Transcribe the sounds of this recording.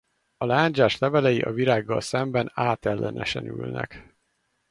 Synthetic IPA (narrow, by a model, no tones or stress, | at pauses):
ɒlaːɲd͡ʒaːʃlɛvɛlɛjiʔɒviɾaːɡːɒlsɛmbɛnaːt̪ɛlːʔɛnʔɛʃɛnylnɛ̰k